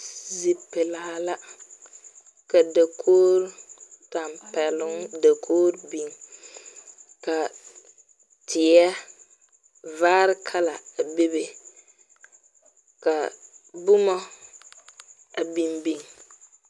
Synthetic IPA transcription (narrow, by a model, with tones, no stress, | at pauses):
zi˨pɪ˨la˨ha˨la˦ | ka˨da˨kʰoː˦ɾta˨mpɛ˨lʊ˦ŋda˨kʰoː˦ɾbi˦˨ŋ | ka˨ | tʰɪ˨ja˦ | vaː˦ɾɪ˦kʰa˦la˨be˦be˨ | ka˨bʊ˦mɔ˦ | a˨bi˨mbi˦ŋ